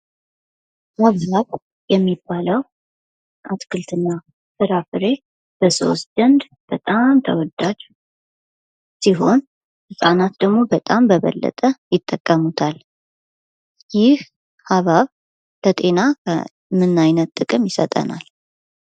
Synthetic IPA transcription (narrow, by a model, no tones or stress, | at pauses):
haβaβ | jɛmːibːaləw | ʔat̪kʰɨlt̪ʰɨnːa | fɨɾafɨɾe̞ | b̥əso̞̰st̪d̪ənd̪ | b̥ət̪ʼamt̪ʰəwɔd̪ad͡ʒ | siɦo̞n | sɨsʼanat̪d̪əɡmo̞bət̪ʼambəβə̰lːə̰t̪ʼəjɪt̪ʼːəkʼːəmut̪ʰal | jɪh | haβaβ | lət̪ʼe̞naə | mɨnajnət̪t̪ʼːɨkʼɨmjɪsə̰t̪ʼə̰na̰l